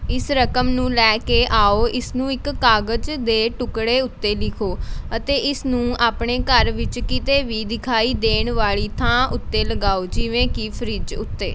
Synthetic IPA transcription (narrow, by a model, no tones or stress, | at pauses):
ɪsɾəkəmnũːlɛːkeːʔaːoːʔɪsnũːɪkːaːɡəd͡ʒd̪eːʈʊkɽeːʊt̪ːeːlɪkʰoːət̪eːʔɪsnũːaːpɳeːkəɾʋɪt͡ʃkɪt̪eːʋiːd̪ɪkʰaːiːd̪eːɳʋaːɭiːt̪ʰãːʔʊt̪ːeːləɡaːoːd͡ʒɪʋẽːkipʰəɾɪd͡ʒʊ̰t̪ːḛː